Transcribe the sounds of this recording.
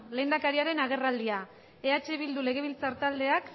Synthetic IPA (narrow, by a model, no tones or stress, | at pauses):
le̞jnd̪akaɾiaɾe̞naɣ̞e̞rald̪ia | e̞at͡ʃeβild̪ule̞ɣe̞β̞ilt͡saɾt̪ald̪e̞ak